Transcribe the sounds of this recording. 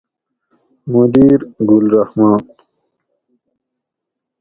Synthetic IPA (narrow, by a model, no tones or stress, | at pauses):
mud̪iːɾɡulɾʌhmɑ̃ːn